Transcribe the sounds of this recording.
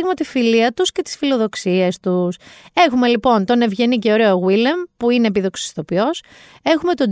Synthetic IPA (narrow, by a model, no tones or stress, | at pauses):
ɣmɐt̪ifiliɐt̪usce̞t̪i̥sfilo̞ðo̞ksiest̪use̞xume̞lipo̞nt̪o̞ne̞vʝe̞nice̞o̞ɾeoɣwilempuine̞ːpiðo̞ksi̥st̪o̞pio̞s | e̞xume̞t̪o̞